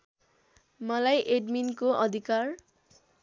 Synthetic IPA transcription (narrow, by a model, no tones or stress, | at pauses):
mʌlajʔeɖminkoʔʌd̪ʱikar